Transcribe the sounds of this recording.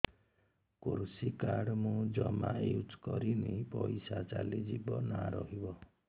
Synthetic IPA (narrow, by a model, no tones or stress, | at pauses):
kuɾsikaɾɖmũd͡ʒɔmajud͡ʒkɔɾinipɔjsat͡ʃalid͡ʒibɔnaɾɔɦibɔ